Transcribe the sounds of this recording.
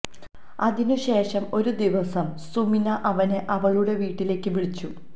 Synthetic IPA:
ɐðinuɕe̞ːʂɐmo̞ɾud̪iʋɐsɐmsuminɐʔɐʋɐneʔɐʋɐɭuɽe̞ʋiːʈːile̞ːkːɨʋiɭit͡ɕːu

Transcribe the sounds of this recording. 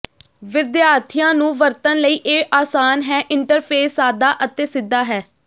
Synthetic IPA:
ʋɪd̪jaːɾt̪ʰijãːnũːʋəɾt̪ənləiːʔeːʔaːsaːnɦɛːʔɪɳʈəɾpʰeːsaːd̪aːʔət̪eːsɪd̪ːaːɦɛː

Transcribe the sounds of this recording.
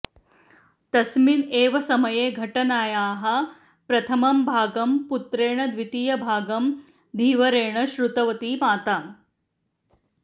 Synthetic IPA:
t̪ɐsmineːʋɐsɐmɐjeːɡʱɐʈɐnaːjaːɦɐ | pɾɐt̪ʰɐmɐmbʱaːɡɐmput̪ɾeːɳɐd̪ʋit̪iːjɐbʱaːɡɐm | d̪ʱiːʋɐɾeːɳɐʃɾut̪ɐʋɐt̪iːmaːt̪a

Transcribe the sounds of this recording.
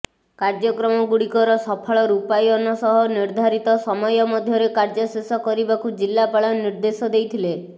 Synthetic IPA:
kaɾd͡ʒɔkɾɔmɔɡuɽikɔɾɔsɔpʰɔɭɔɾupajɔnɔsɔɦɔniɾd̪ʱaɾit̪ɔsɔmɔjɔmɔd̪ʱjɔɾekaɾd͡ʒɔsesɔkɔɾibakud͡ʒilːapaɭɔniɾd̪esɔd̪ejt̪ʰile

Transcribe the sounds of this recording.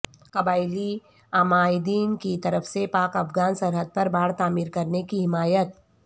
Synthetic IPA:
kɐbaːɪli | aːmaːɪd̪iːnkit̪ɐɾəfsepaːkɐfɡaːnsɐɾɦəd̪̚pɐɾbaːɽt̪aːmiːɾkɐɾnekiɦɪmaːjət̪̚

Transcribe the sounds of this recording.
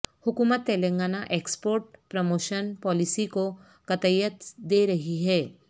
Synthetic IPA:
hʊkumət̪̚ːelẽŋɡaːnaʔekspoːɾʈ̚pɾəmoːʃənpɔːlisiko | kət̪əjət̪d̪eɾɐɦiɦɛː

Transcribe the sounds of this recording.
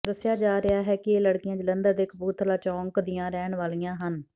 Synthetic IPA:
d̪əsːjaːd͡ʒaːɾɪaːɦɛːkɪeːləɽkɪjãːd͡ʒələnd̪əɾd̪eːkʰpuːt̪ʰlaːt͡ʃɔ̃ːŋkd̪ɪjãːɾɛːɳʋaːlijãːɦən

